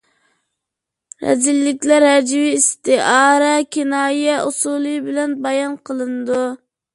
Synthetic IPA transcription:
ɾɛ̰zilːɪkʲlæɾhɛd͡ʒwiːst̪ɪʔɑːɾɛkʲʰinɑːjɛusulˠɨbɪlɛnbɑjɑnqʰəlˠɨnd̪u

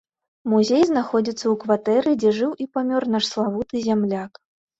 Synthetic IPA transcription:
muzʲejznaxɔd͡zʲit̪sːɐwkvat̪ɛɾɨd͡zʲɛʐɨwʔipamʲɔrnaʂslˠavut̪ɨzʲamlʲak

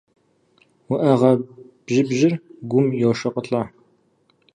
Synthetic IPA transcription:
wʊʔɐʁɐ | b̥ʒɪbʒɪrɡʷʊmjoːʃɐqəɬaː

